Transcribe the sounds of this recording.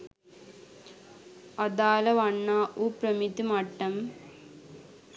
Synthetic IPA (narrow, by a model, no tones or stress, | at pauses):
ɐd̪aːlɐʋɐɳːaːʔupɾɐmit̪imɐʈːɐm